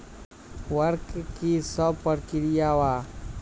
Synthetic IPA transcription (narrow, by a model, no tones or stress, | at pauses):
wəɾkkisəbpəɾkɪɾijawaː